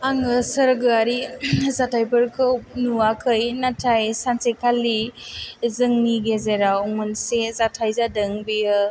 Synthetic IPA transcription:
aŋɯsəɾɡɯaɾizatʰajpɯɾkʰɯwnuakʰɯjnatʰajsansekʰalːi | zɯŋniɡezeɾawmɯnsezatʰajzadɯŋbiɯ

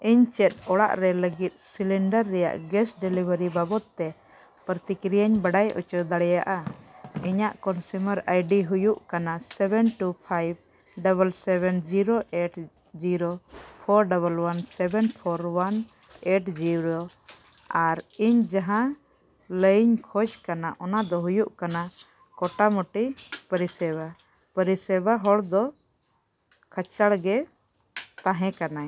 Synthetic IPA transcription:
ʔiɲt͡ʃɛt̪̚ɔɽa̰ʔɾɛləɡit̪̚ˀsiliɳɖəɾːɛja̰ʔɡɛsɖɛlibʱəɾibabɔt̪̚ːɛ | pɾət̪ikɾijaɲbaɽajʔɔ̰t͡ʃɔd̪aɽɛja̰ʔaiɲaʔkɔnsuməɾajɖiɦujuʔkanasɛbɛnʈupʰajb̚ | ɖabəlsɛβɛnd͡ʒiɾoʔeʈ | d͡ʒiɾopʰɔɾɖaβəlwansɛbɛnpʰɔɾwan | eʈd͡ʒiɾo | aɾiɲd͡ʒaɦã | ləɲkʰɔd͡ʒkanaʔɔnad̪ɔɦujuʔkana | kɔʈamɔʈipəɾisɛba | pəɾisɛbaɦɔɽd̪ɔ | kʰət͡ʃaɽɡɛ | t̪ãɦɛ̃kana

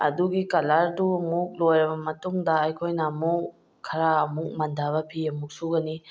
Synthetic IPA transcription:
ɐ̰duɡikɐlaɾduɐmuk̚lojɾɐbɐmɐtuŋdɐɐjkʰojnɐmuk | kʰɐɾaɐmuk̚mɐndʱaβɐpʰiɐmuk̚suɡɐni

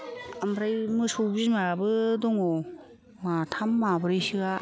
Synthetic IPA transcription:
amɾajmɯsowbizmabɯdɔŋɔ | matʰamːabɯɾajsiɡa

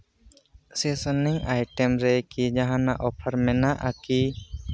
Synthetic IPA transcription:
sesəniŋʔajʈemɾɛkid͡ʒaɦãnaʔɔpʰəɾmɛ̃naʔaki

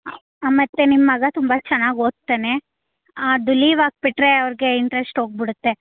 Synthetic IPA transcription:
mɐt̪ːe̞nimːɐɡɐt̪umbɐt͡ʃɐnːaːɡoːɡ̚t̪ːeːne̞ | aːɖuliːʋaːɡ̚piʈːɾe̞ɐʋɐɾɡe̞iɳʈɾesʈɦoːɡ̚biɽut̪ːe̞

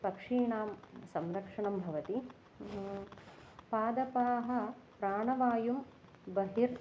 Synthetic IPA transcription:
pɐkʂiːɳaːmsɐmɾɐkʂɐɳɐmbʱɐʋɐt̪i | paːd̪ɐpaːɦɐ̆ | pɾaːɳɐʋaːjum | bɐɦiɾ

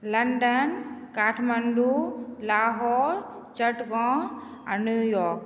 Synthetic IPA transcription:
lɐɳɖənkaːʈʰmənɖulaːɦɔːɾ | t͡ʃəʈɡɔ̃ː | ɐ̰nujɔːk

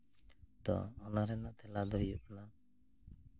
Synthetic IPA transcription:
d̪ɔ̰ːnaɾɛnaʔt̪ɛlad̪ɔɦijuʔkana

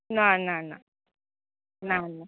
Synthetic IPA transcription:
nananã̰ | nanã

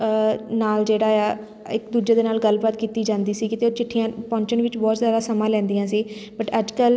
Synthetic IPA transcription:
naːld͡ʒeːɽaːaː | ɪkd̪uːd͡ʒeːd̪eːnaːlɡəlbaːt̪kiːt̪iːd͡ʒãːnd̪iːsiːkɪt̪eːoːt͡ʃɪʈʰːijãːpɔ̃ːɲt͡ʃənʋɪt͡ʃbɔːt̪zjaːd̪aːsəmãːlɛ̃ːnd̪ijãːsiːbəʈəd͡ʒkəl

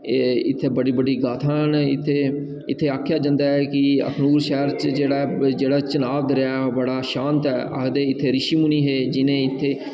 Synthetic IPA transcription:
ɪt̪ʰːeːbəɽiːbəɖiːɡaːt̪ʰaːnːɪ̰t̪ʰːeː | ɪt̪ʰːeːaːkʰːjaːd͡ʒãːnd̪aːɦɛːkɪə̰kʰnuːɾʃɛːɾt͡ʃd͡ʒeːɽaːd͡ʒeːɽaːt͡ʃənaːʋd̪ɾɪjaːbəɽaːʃãːnt̪ɛːə̰kd̪eːɪt̪ʰːeːɾɪʃiːmʊniːɦeːd͡ʒɪnẽːɪt̪ʰːeː

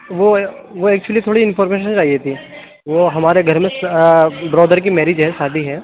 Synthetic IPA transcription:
ʋoʋoɛːk̚t͡ʃuəlit̪ʰoːɽiɪnfɔːɾmeːʃə̃nt͡ʃaːɦiet̪ʰiː | ʋoɦɐmaːɾeɡʱɐɾmẽsbɾɔːd̪əɾk̬imɛːɾid͡ʒɦɛʃaːd̪ʱiɦɛː

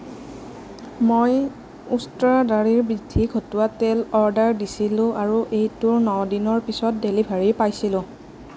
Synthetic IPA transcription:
moj | ustɹadaɹiɹbɹidʱːikʰotʊwatɛlɔɹdaɹdisilʊ̃ʔaɹuʔejtʊɹnɔdinɔɹpisɔt̚delibʱaɹipajsilʊ̃

